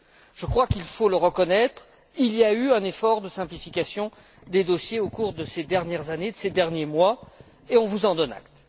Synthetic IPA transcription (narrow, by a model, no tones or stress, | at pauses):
ʒ̥əkχwakilfoləʁəkɔnɛt̪χ | iliayɛ̃nefɔʁd̪əsɛ̃plifikʲasjɔ̃ | d̪ed̪ɔsjeokuʁd̪əsed̪ɛʁnjɛʁzaned̪əsed̪ɛʁnjemwa | eɔ̃vuzɑ̃d̪ɔna̰k̚t̪